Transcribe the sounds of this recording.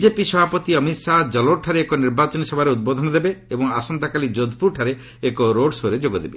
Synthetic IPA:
bid͡ʒepisɔbʱapɔt̪iʌmit̪sad͡ʒɔloʈʰaɾeːkɔniɾbat͡ʃɔnisɔbʱaɾeud̪̚bɔd̪ʱɔnɔd̪ebeebɔŋasɔnt̪akalid͡ʒod̪ʱpuɾʈʰaɾeː | kɔɾoɖsoɾed͡ʒoɡɔd̪ebe

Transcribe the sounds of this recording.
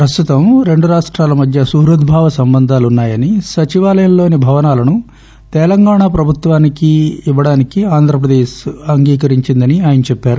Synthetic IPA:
pɾɐst̪ut̪ɐmɾe̞ɳɖuɾaːʂʈɾaːlɐmɐd̪ʱjɐsuːɾɐd̪bʱaːʋɐsɐmbɐnd̪ʱaːlunːaːjɐnisɐt͡ʃiʋaːlɐjɐmlo̞ːnibʱɐʋɐnaːlɐnu | t̪ɛlɐŋɡaːɳaːpɾɐbʱut̪ʋaːnikiːʋːɐɽaːnikiaːnd̪ʱɾɐp̬ɾɐd̪eːɐŋɡiːkɐɾiɲt͡ʃind̪ɐniaːjɐnɐt͡ʃɛpːaːɾu

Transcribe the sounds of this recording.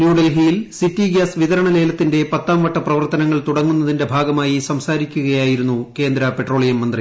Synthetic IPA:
njuːɽɐlɦiːlsitːiɡaːsʋiðɐɾɐɳɐle̞ːlɐt̪ːinde̞pɐt̪ːaːmʋɐʈːɐprɐʋɐrt̪ɐnɐŋːɐɭt̪uɽɐŋːunːɐðinde̞bʱaːɡɐmaːjisɐmsaːɾikʲːuɣɐjaːjiɾunːuke̞ːnd̪ɾɐpeʈro̞ːɭijɐmːɐnd̪ri

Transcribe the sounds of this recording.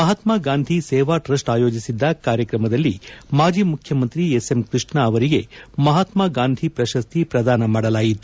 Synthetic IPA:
mɐɦɐt̪maːɡaːnd̪ʱisɛːʋaʈɾɐsʈaːjo̞ːd͡ʒisid̪ːɐkaːɾjɐkɾɐmɐd̪ɐlːimaːd͡ʒʱiːmukʰjɐmɐnt̪ɾiesemkɾɨʂɳɐːʋɐɾiɡe̞mɐɦat̪maːɡaːnd̪ʱipɾɐʃɐst̪ʰipɾɐd̪aːnɐmaːɽɐlaːjit̪ːu

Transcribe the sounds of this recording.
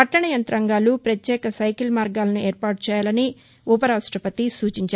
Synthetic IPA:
ɐʈːɐɳɐjɐnt̪ɾɐŋɡaːlupɾɐt̪jɛːkɐsɐjkilmaːɾɡaːlɐnueːɾpaːʈut͡ʃɛːjaːlɐni | upɐɾaːʂʈɾɐpɐt̪isuːt͡ʃiɲt͡ʃaː

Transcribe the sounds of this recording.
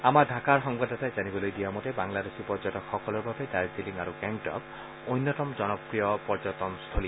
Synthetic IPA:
amadʱakaɹxɔŋbadʱatajzanibɔlojdijamɔtebaŋladesipɔɾd͡ʒɔtɔkxɔkɔlɔɹbabedajsiliŋɡaɾuɡɛŋʈɔ̰k | ojnːɔtɔmɔd͡ʒɔnɔpɹijɔpɔɹd͡ʒɔt̪ɔnst̪ʰoli

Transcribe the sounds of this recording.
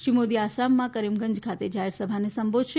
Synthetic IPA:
ʃimod̪iaʃamːãkəɾimɡəɲd͡ʒkʰat̪ed͡ʒaɦeɾsəbʱanesəmbod̪ʱʃe

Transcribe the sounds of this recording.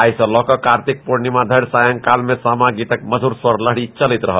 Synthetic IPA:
ajsə̃lɔkəkaɾt̪ik̚poɾnimãd̪ʱəɽsajə̃ŋkalmẽsamãɡit̪ək̚məd͡ʒʱuɾswəɾləɦɽit͡ʃəlit̪ɾəɦə

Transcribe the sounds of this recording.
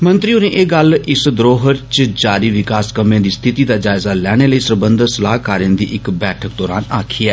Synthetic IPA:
mə̃nt̪ɾiːʊnẽːʔeːɡəlɪsd̪ɾoːɦəɾt͡ʃd͡ʒaːɾiːʋɪkaːskəmẽːd̪iːst̪ʰɪt̪iːd̪aːd͡ʒaːɪzaːlɛːɽ̃eːləiːsəɾbənd̪ʱəsəlaːɦkaːɾjə̃nd̪ḭːʔɪkbɛːʈʰək̚d̪ɔːɾa̰ːnaːkʰiːɛː

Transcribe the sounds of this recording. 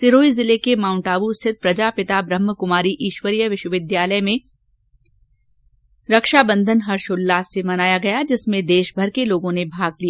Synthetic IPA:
sɪɾoːizɪlekemãːʊ̃ɳʈaːʋust̪ʰɪt̪̚pɾɐd͡ʒaːpɪt̪abɾəmːəkʊmaːɾiʔiːʃwəɾijəʋɪʃwəʋɪd̪jaːləjmẽ | ɾɐkʃabə̃nd̪ʱənɦɐɾʃʊlːaːsːemɐnaːjaɡɐjad͡ʒɪsmẽd̪eːʃbʱɐɾkeloːɡõnebʱaːɡlija

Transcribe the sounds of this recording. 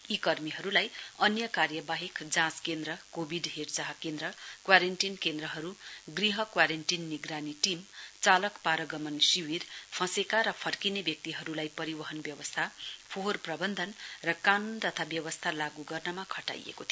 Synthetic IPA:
ikʌrmiɦʌɾulajʌnjʌkarjʌbaɦikd͡zãskend̪ɾʌkobʱiɖɦert͡saɦʌkend̪ɾʌkwaɾenʈinkend̪ɾʌɦʌɾuɡriɦʌkwaɾenʈinːiɡɾaniʈimt͡salʌkpaɾʌɡʌmʌnsiwirpʰʌ̃sekaɾʌpʰʌrkinebjʌk̚t̪iɦʌɾulajpʌɾibʌɦʌnbjʌwʌst̪ʰapʰorprʌbʌnd̪ʱʌnrʌkanunt̪ʌt̪ʰabjʌwʌst̪ʰalaɡuɡʌrnʌmakʰʌʈa̰jḛkot̪ʰi

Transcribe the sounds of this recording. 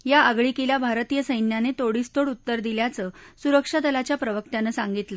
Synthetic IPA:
jaəɡɭikilabʱaɾt̪ijəsəjnjanet̪oɽist̪oɽut̪ːəɾd̪iljat͡səsuɾəkʂad̪əlat͡ɕjapɾəʋək̚t̪janəsaŋɡit̪lə

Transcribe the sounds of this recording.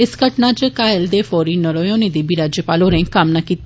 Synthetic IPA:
ɪsɡəʈnaːd͡ʒəkaːɪld̪eːfʰoːɾiːnəɾoːjõːnẽːd̪iːbiːɾaːd͡ʒjəpaːloːɾẽːkəmnaːkiːt̪

